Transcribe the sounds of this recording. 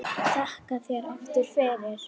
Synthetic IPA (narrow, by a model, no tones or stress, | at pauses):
t̪ʰahkaθjɛɾɔft̪ɪɾ̥fɛːðɪɾ̥